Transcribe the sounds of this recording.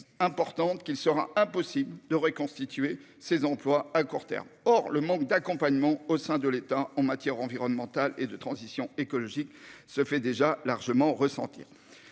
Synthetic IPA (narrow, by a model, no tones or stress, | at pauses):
ɛ̃pɔʁt̪ɑ̃t̪kʲilsəʁa̰ɛ̃pɔsibld̪əʁəkɔ̃st̪it̪ɥe | sezɑ̃plwaakuʁt̪ɛ̰ʁmɔʁləmɑ̃k̚d̪akɔ̃paɲmɑ̃osɛ̃d̪əlet̪aɑ̃mat̪jɛʁɑ̃viʁɔnmɑ̃t̪aled̪ət̪χɑ̃zisjɔ̃ekɔlɔʒiksəfɛd̪eʒalaʁʒəmɑ̃ʁəsɑ̰̃t̪ḭːʁ